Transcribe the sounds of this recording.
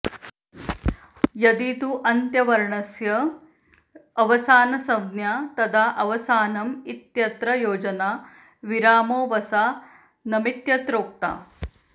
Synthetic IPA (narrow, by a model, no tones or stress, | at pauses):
jɐd̪it̪uʔɐnt̪jɐʋɐɾɳɐsjɐ | ʋɐsaːnɐsɐd̪njaːt̪ɐd̪ʱaːʔɐʋɐsaːnɐmit̪jɐt̪ɾɐjoːd͡ʒɐnaː | ʋiɾaːmoːʋɐsaː | nɐmit̪jɐt̪ɾoːk̚t̪a̰ː